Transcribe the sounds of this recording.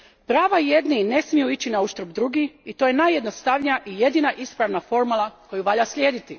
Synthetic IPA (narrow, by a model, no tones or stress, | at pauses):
pɾaːʋaje̞d̪nine̞smijuit͡ɕinauʃt̪ɾobd̪ɾuɡiit̪oje̞naje̞d̪nost̪aʋɲijaʔije̞d̪iːnaʔispɾaʋnafo̞ɾmalˠako̞juʋaʎasʎʲje̞ːd̪it̪i